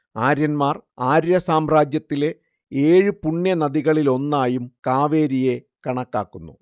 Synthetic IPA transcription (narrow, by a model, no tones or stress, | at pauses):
aːɾjɐnmaːraːɾjɐsaːmraːd͡ʑjɐt̪ːile̞ | eːɻɨpuɳːjɐnɐðiɣɐɭilo̞nːaːjumkaːʋe̞ːɾije̞ | kɐɳɐkːa̰ːkːunːṵ